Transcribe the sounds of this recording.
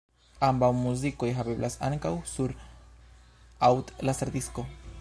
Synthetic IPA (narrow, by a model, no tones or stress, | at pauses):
ambawmuziko̞jɦabe̞blʔasa̰ŋkawsuɾ | awtlasaɾd̪isko̞